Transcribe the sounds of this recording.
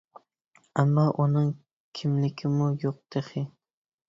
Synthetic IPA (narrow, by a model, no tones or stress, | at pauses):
amːɒʔʊnɪŋ | kʲʰɪmlɪkʲʰɪmʊjoq̚d̪̥eχɪ